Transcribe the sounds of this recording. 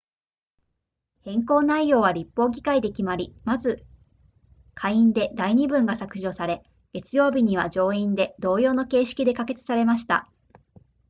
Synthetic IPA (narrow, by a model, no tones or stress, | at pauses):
hẽ̞ŋko̞ːnaijo̞ːβaɾʲipːo̞ːɡʲikaid̪e̞kʲimaɾʲimazɨ | kʰaiĩnd̪e̞d̪aiɲ̟ibɯ̟̃ŋɡasakɯ̟ʑo̞ːsaɾe̞ | ɡ̥e̞t͡sɨjo̞ːbʲiɲ̟iβ̞ad͡ʑo̞ːĩnd̪e̞d̪o̞ːjo̞ːno̞ke̞ːɕi̥kʲid̪e̞kake̞t͡sɨ̥saɾe̞maɕi̥t̪a̰